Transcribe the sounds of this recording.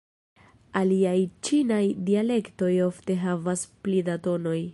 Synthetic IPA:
aliajt͡ʃinajdiale̞kto̞jo̞fte̞ɦavasplidato̞no̞j

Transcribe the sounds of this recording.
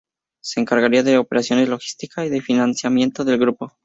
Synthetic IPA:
se̞ːŋkaɾɣaɾiaðe̞ope̞ɾasjo̞ne̞zlo̞xi̥st̪ikasiðe̞finansjamje̞nt̪oðe̞lɣɾupo̞

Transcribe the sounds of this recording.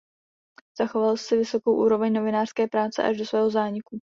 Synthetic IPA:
z̥axo̞valsɪvɪso̞ko̞wʔuːɾo̞vɛɲno̞vɪnaːr̥skɛːpɾaːt͡sɛ̰ʔa̰ʒdo̞svɛːɦo̞zaːɲɪku

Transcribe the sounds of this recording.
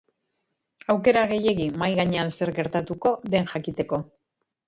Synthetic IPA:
awke̞ɾaɣe̞je̞ɣimajɣaɲe̞anse̞ɾɣe̞ɾt̪at̪uko̞ðe̞nʝakit̪e̞ko̞

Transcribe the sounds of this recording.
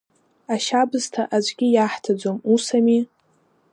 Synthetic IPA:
aʃabɨztʰaʔad͡ʒʷɡʲɪjaħtʰad͡ʒʷomusami

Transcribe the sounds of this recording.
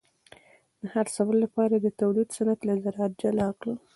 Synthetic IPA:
d̪̥əhaɾsawəlːapɑɾad̪ət̪awlid̪sanat̪lazaɾɑat̪̚d͡ʒalakɽə

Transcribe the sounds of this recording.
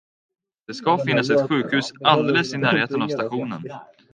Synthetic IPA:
d̪̥ɛskafɪnːasɛt̪ɧʉ̟ːkhʉ̟ːsald̪eːləsɪnæːɾheːt̪ənavst̪aɧuːnə̰n

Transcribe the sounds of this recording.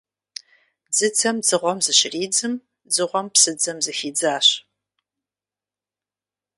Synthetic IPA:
d͡zɨt͡sʰɐmd͡zɨʁʷɔmzɨɕɪriːd͡zɨm | d͡zɨʁʷɔmpsɨd͡zɐmzɨfiːd͡zaːɕ

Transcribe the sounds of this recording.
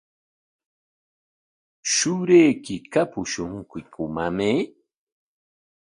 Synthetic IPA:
ʃʊɾekɪkapʊʃʊŋkʊkʰʊmame

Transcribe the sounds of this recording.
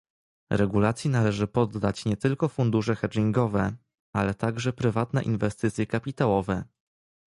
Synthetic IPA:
ɾɛɡulat̪sʲjinalɛʐɘpɔd̪ːat͡ɕɲɛt̪ɘlkɔfund̪uʂɛxɛd͡ʒiŋɡɔvɛ | alɛt̪aɡʐɛpɾɘvat̪nɛʔinvɛst̪ɘt̪sʲjɛkapʲit̪awɔvɛ

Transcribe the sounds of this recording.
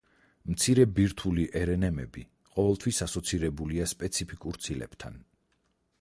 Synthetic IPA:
mt̪sʰiɾɛbiɾt̪ʰuliʔɛɾɛnɛmɛbi | qʼɔvɛlˠt̪ʰwisasɔt̪sʰiɾɛbuliaspʼɛt̪sʰipʰikʼuɾt̪sʰilɛ̰b̥t̪ʰa̰n

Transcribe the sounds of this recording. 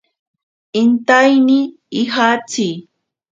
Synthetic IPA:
ɪnt̪ajnɪː | ɦat͡sij

